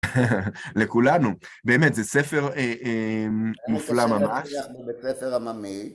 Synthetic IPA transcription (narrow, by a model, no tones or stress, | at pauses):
lekulanu | be̞ːmet̪zesefe̞ʁemmuflamamaʃaχnubesefeʁamami